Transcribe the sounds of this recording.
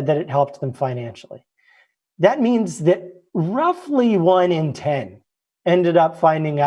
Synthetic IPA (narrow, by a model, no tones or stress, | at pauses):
d̪̚ðɨɾɨt̚ɦɛlˠp̚t̪̚ðə̃mɱfãɪ̃næ̃nʃl̩ˠḭ | ðɨt̚mĩnzðɨt̚ | ɹʌfliwʌ̃nɨ̃ntʰɛ̃n | ɛ̃ndɨɾʌpfãɪ̃ndɪ̃ŋ